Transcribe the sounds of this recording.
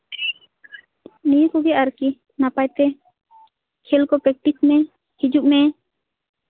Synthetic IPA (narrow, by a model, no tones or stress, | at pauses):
nikuɡɛaɾki | napajt̪ɛ | kʰelkɔpɛk̚ʈit͡ʃmɛ̃ | hid͡ʒuʔmɛ